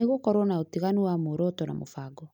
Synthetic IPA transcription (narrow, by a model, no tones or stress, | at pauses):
eɣokɔɾɔnaotiɣanuamoɾɔtɔna̰mo̰faɡɔ